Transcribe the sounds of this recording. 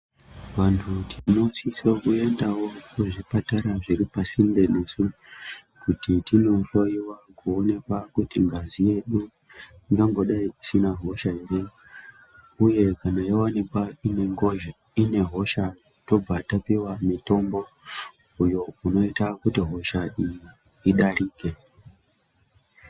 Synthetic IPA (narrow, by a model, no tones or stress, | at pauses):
ʋantʰutʰino̞sisekue̞ndawo̞kuʐipataɾaʐiɾipasinbe̞ne̞su | kutitino̞ɬo̞iwakuone̞kwakutiŋɡazije̞ɗu | iŋɡaŋɡo̞ɗaiisinaɦo̞ʃaɦeɾe̞ | uje̞kanajawanikwaine̞ŋɡo̞ʒa | ine̞ɦo̞ʃa | to̞b͡vatapiwamito̞mbo̞ | ujo̞uno̞itakutiɦo̞ʃaʔijiː | ɗariːke̞